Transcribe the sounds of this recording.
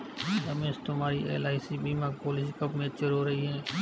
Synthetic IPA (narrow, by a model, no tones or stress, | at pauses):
ɦəmeːst̪ʊmaːɾiʔḛːlaːɪsibiːmaːɡpoːlɪskəpmẽt͡ʃəɾɦoɾɐɦiɦɛː